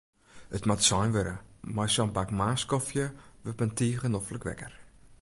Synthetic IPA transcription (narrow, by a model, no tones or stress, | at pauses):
ətmatsɔjnʋøɾə̰mɔjsɔnbakmaːskɔfjəʋøpəntiːɣənɔfləkʋɛ̰kər